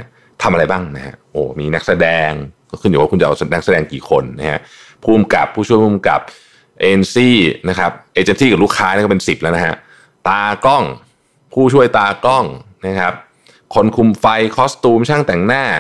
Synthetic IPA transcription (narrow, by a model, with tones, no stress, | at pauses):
t̪ʰa˧mʔa˧a˧jbaː˥˩ŋna˦˥ha̰˦˥ʔʔoː˨˩miː˧na˦˥k̚sa˧dɛː˧ŋkɔː˥˩kʰɯ˥˩njuː˨˩waː˥˩u˧nt͡ɕa˨ʔna˦˥k̚sa˧dɛː˧ŋkiː˨˩kʰo˧nːa˦˥ha̰˦˥ʔ | pʰuː˥˩mka˨˩pʰːuː˥˩t͡ɕʰu˥˩əjpʰuː˥˩mka̰˨˩p̚ | ʔeː˧nsiː˥˩na˦˥kʰa˦˥p̚ʔeː˧t͡ɕe˧nsiː˥˩ka˨˩luː˥˩kʰaː˦˥ni˥˨kɔ˥˩pe˧nsi˨˩p̚lɛ˦˥wna˦˥a̰˦˥ʔ | t̪aː˧kɔ˥˩ŋ | pʰuː˥˩t͡ɕʰu˥˩əjt̪aː˧kɔ˥˩ŋna˦˥kʰa˦˥p̚ | kʰo˧nkʰu˧mfa˧jkʰɔː˦˥st̪uː˧mt͡ɕʰaː˥˩ŋt̪ɛ˨˩ŋnaː˥˩